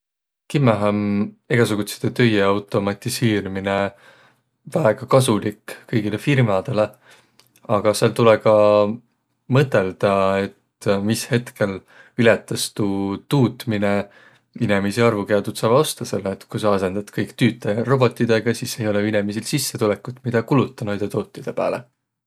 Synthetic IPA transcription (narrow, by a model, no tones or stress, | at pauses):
kimːeɦɑmeɡ̥ɑs̬uɡ̥ut̪se̥t̪ːet̪ø̞jeɑwt̪ˑo̞mɑt̪ʲˑiseːɾimine̞ | væeɡ̥ɑkɑsulikkɤjɡilefirmɑd̪̥e̞le | ɑɡ̥ɑselt̪ulekɑ | mɤt̪ːˑe̞ld̪̥ɑe̞t̪ | mishe̞t̪ke̞l | ilet̪ːˑɑst̪ut̪uːt̪ˑmine | inemisiɑrvukeɑd̪ut̪sɑːvɑo̞st̪ɑse̞lːeːt̪kusɑɑse̞nd̪̥ɑt̪kɤjkt̪yːt̪ːˑɑjɑro̞bo̞t̪ːˑid̪̥eɡ̥ɑsiːse̞jo̞leinemisilsisːe̞t̪ulekːˑut̪mid̪̥ɑkulut̪ːˑɑnɑjd̪̥e̞t̪oːt̪ːid̪̥e̞pæ̰ːle